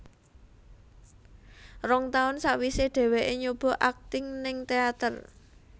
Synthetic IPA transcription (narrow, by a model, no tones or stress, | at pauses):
rɔŋt̪aʊnsaʔwiseɖ̥ɛ̤weʔeɲob̥ɔ̤ʔak̚t̪ɪŋnɪŋt̪eat̪ər